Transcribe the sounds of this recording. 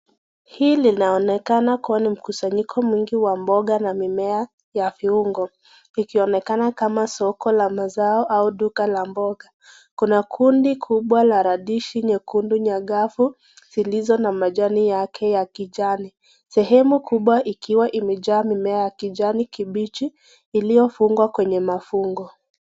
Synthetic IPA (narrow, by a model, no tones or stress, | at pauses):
hiːlinaɔnɛkanakuanim̩kusaɲikʰɔmwiŋɡiwambɔɠanamimɛa | jafiuŋɡɔ | ikiɔnɛkanakamasɔkɔlamazaɔʔauɗukalambɔɠa | kunakʰundikʰuɓwalaɾaɗiʃiɲɛkunduɲaɠafu | z̥ilizɔnamaʄanijakʰɛjakiʄani | sɛɦɛmukuɓwaʔikiwaʔimɛʄaːmimɛajakiʄanikiɓit͡ʃiː | lijɔfuŋɡwakwɛɲɛmafuŋɡɔ